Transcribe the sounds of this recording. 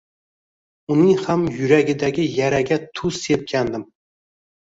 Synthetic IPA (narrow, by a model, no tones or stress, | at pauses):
unɪŋhamjyɾæɡʲɪd̪æɡʲɪjæɾæɡʲɛt̪ʰusːep̚kʲʰænd̪ɪm